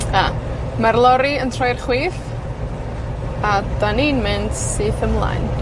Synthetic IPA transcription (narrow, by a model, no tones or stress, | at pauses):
a | marlˠɔɾiəntʰrɔjrχwiːθ | ad̥aniːnmɪndsɨθəmlˠa̰jn